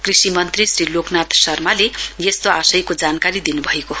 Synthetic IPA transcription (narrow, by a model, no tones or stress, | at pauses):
krisimʌnt̪risriloknat̪sʌrmalejest̪oasʌjkod͡zankaɾid̪inubʱʌeko